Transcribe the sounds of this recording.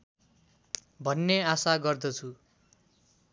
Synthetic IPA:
bʱʌnːeasaɡʌrd̪ʌt͡sʰu

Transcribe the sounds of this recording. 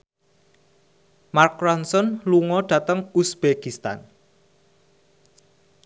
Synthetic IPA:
markɾɔnsɔnluŋɔɖ̥ä̤t̪əŋusb̥ekist̪a̰n

